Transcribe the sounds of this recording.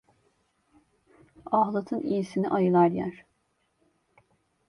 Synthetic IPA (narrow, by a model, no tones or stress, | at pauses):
aɦlˠat̪ʰɯnijisinḭʔajɯlˠaɾjæ̰ɾ̥